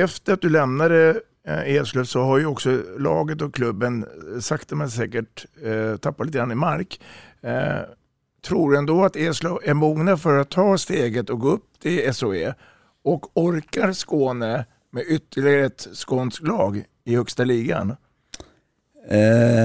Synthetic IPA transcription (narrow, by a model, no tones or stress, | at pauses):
ɛft̪əɾat̪̚d̪ɵlɛmnad̪ə | eːsløsɔɦaɾjɵɔksɔlɑ̰ːɡət̪ɔkʰlɵbːənsakt̪ɛmɛnsɛːkəʈt̪ʰapːat̪lit̪ɡɾanɪmaɾk | t̪ʰɾuːɖɵɛnd̪oːat̪eːslɔæɾmuːɡnafœɾat̪ʰːɑːst̪eːɡət̪ɔɡoːɵpːt̪ʰɪlɛsʊeː | ɔkɔɾkaɾskoːnə | mɛʏt̪ʰːəɭɪɡaɾət̪skoːnsklɑːɡ | ɪhœkst̪aliːɡa̰n